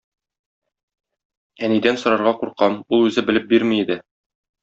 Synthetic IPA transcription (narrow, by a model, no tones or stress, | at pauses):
ænid̪ænsŏɾɑɾʁɑquɾqɑmulˠʉzɘbɘ̆lɘp̚biɾmiːd̪ɘ